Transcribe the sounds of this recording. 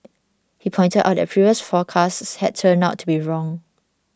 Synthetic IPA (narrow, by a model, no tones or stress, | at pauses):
hipʰɔ̃ɪj̃ntədʔa̰ʊt̚dɛ̰pʰɹiviəsfɔkʰastshɛd̚tʰə̃naʊtʰːubiɹɔ̃ŋ